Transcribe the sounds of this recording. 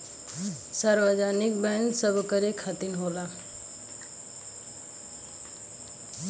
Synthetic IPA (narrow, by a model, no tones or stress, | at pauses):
saɾʋad͡ʒaːnik̚bɛnsəbkəɾekʰat̪inɦoːla